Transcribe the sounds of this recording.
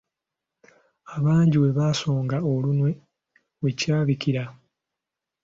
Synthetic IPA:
aβaːɲɟiwe̞βaːso̞ːŋɡao̞lunwe̞ | wecaːβikiɾa

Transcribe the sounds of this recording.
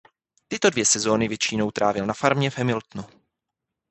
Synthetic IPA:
t̪ɪt̪o̞dvjɛsɛzo̞ːnɪvjɛt͡ʃino̞wt̪ɾʔaːvjɛlnafaɾmɲɛvɦɛmɪlt̪nu

